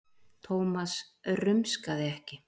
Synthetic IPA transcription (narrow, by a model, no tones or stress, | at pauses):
t̪ʰoːwmas | rʏmskaðɪɛhcɪ